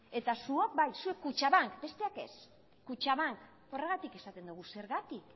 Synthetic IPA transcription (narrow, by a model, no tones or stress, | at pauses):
e̞t̪asuok̚bajsue̞kːut͡ʃaβaŋkbe̞st̪e̞ake̞̰s | kut͡ʃaβaŋk | o̞re̞ɣ̞at̪ike̞sat̪e̞nd̪uɣuse̞ɾɣat̪ik